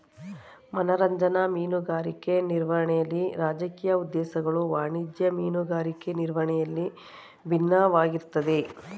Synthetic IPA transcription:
mɐnɐɾɐɲd͡ʒɐnɐmiːnuɡaːɾikeniɾʋɐɾɐɳɛjɐlːiɾaːd͡ʒɐkiːjɐud̪ːɛːsɐɡɐɭuʋaːɳid͡ʒjɐmiːnuɡaːɾikeniɾʋɐɳɛjɐlːi | bʱinːɐʋaːɡiɾt̪ːɐd̪e̞

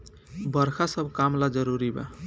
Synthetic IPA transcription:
bʌɾkʰasʌbʱkamlad͡zʌɾuɾiba̰

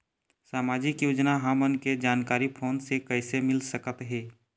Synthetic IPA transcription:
saːmaːd͡ʒɪkjuːd͡ʒnaɦamənked͡ʒaːnkaːɾipʰoːnsekəɪsemɪlsəkət̪ɦɛː

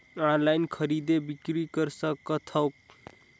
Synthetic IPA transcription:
anlaɪnkʰəɾid̪ebikɾikəɾsəkːət̪ʰəwk̚

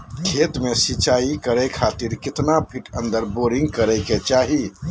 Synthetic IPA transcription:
kʰet̪mesit͡ʃaikəɾɛkʰat̪iɾkɪt̪nabʱiʈʰə̃nd̪əɾboɾiŋɡkəɾɛjket͡ʃaɦi

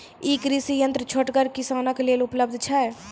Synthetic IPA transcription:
iːkɾɪsijə̃nt̪ɾət͡ʃʰoʈɡəɾkɪsaːnakeleːlʊpləb̚d̪ʱt͡ʃʰaɛ

